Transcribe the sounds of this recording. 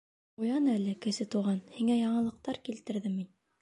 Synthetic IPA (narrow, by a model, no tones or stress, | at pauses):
ujɑnælɘkɘ̆sɘt̪uʁɑnhiŋæjɑɴɤ̆lˠɤ̆q̚t̪ɑɾkilt̪ɘ̆ɾðɘmin